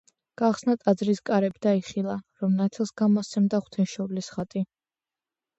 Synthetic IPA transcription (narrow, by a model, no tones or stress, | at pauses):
ɡ̥aχsnat̪ʼad̪zɾiskʼaɾɛbid̪aiχilˠaɾɔmnat̪ʰɛlˠsɡamɔsɛmd̪aχw̥t̪ʰɛnʃɔvlisχat̪ʼi